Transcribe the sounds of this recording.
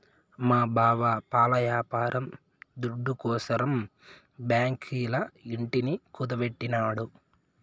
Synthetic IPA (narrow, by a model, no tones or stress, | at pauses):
maːbaːʋapaːlɐjaːpaːɾʔɐm | d̪uɖːukɔːsɐɾɐm | bjaːŋkʰiːlɐiɳʈinikud̪ɐʋeʈːinaːɽu